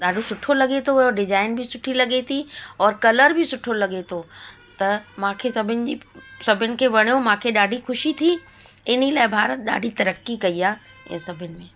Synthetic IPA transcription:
ɗaːɖʱosʊʈʰolɐɠet̪ʰoʋɐjoɖɪd͡ʑaːɪnbʱisʊʈʰilɐɡet̪ʰiɔːɾkɐləɾbʱisʊʈʰolɐɠet̪ʰo | t̪ɐmãːkʰesɐbʱɪnɪ̆d͡ʑisɐbʱɪnɪ̆kʰeʋɐɽ̃ijomãːkʰeɗaːɖʱixʊʃit̪ʰi | ɪnilaːɪbʱaːɾət̪̚ɗa̰ːɖʱit̪ɐɾəkːikɐiaː | jã̰sɐbʱɪnɪ̆mẽː

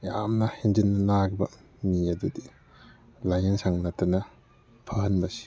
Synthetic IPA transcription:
jamnɐhend͡ʒinːɐnaɡbɐ | miɐdudi | lajɐnsaŋnatɐnɐ | pʰɐhɐnbɐsi̥

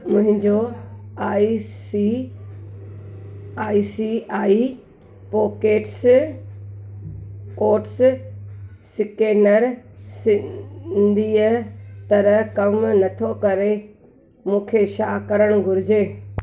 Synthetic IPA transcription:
mʊ̃ɦɪ̃ɲd͡ʑoaːisi | aːisiaːi | poːkeːʈs | koːʈs | sɪkeːnəɾsɪ̃nd̪ʱiːət̪ɐɾəɦkɐmnɐt̪ʰokɐɾe | mũːkʰeʃaːkɐɾəɽ̃ɡʱʊɾɪd͡ʑeː

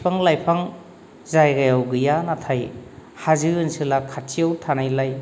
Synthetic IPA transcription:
pʰaŋlajpʰaŋ | zajɡajawɡɯjanatʰajhazɯɯnsɯlakʰatsiawtʰanajlaj

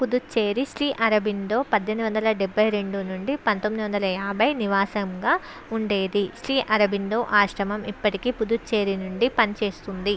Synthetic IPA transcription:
pud̪ut͡ʃe̞ːɾiʃɾiːʔɐɾɐbʱind̪o̞ːpɐd̪ʱːend̪uʋɐnd̪ɐlɐɖɛbʱːɐjɾe̞ɳɖunuɳɖipɐnt̪omːid̪iʋɐnd̪ɐlɐjaːbɐjniʋaːsɐmɡaː | uɳɖe̞ːd̪iʃɾiːʔɐɾɐbʱind̪o̞ːʔaːʂɾɐmɐmipːɐʈikiːpud̪ut͡ʃeːɾinuɳɖipɐnit͡ʃe̞ːst̪und̪i

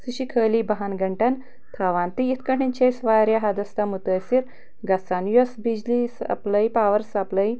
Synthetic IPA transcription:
suɕikʰəlibɐɦanɡɐɳʈan | t̪ʰaʋant̪ijit̪ʰkɐɳint͡ʃʰejsʋaɾjaɦad̪ɐst̪amut̪əjsiɾ | ɡɐsanjosbid͡ʑlisa̰pləjpaʋəɾsapləj

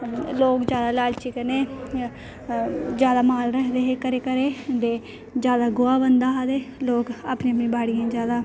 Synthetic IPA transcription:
loːkd͡ʒjaːd̪aːlaːlt͡ʃiːkəneː | d͡ʒjaːd̪aːmaːlɾəɦd̪eːɦekəɾeːkəɾeːd̪eː | d͡ʒjaːd̪aːɡoaːbənd̪aːad̪eːloːkaːpnĩːəpnĩːbaːɽijãːd͡ʒjaːd̪aː

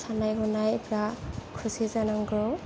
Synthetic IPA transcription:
sʰanajɡɔnajpʰɾakʰɾusizanaŋɡɾɔ

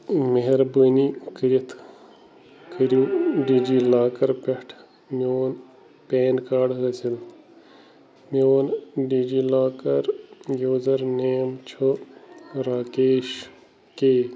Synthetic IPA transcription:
meɦeɾbənikəɾit̪ʰ | kʰəɾuːɖiːd͡ʒiːlaːkɐɾpeʈʰ | moːn | peːnkaːɖɡɐsil | moːnɖid͡ʒiːlaːkɐɾjoːzɐɾneːmt͡ʃʰo | ɾaːkeːʃ | keː

